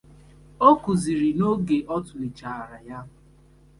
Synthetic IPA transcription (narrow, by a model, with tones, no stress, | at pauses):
o˦ku˨zi˨ɾi˨no˦ɡe˨ʔɔ˦tʊ˨nɪ˨t͡ʃa˨a˨ɾa˨ja˦ɦʊ˨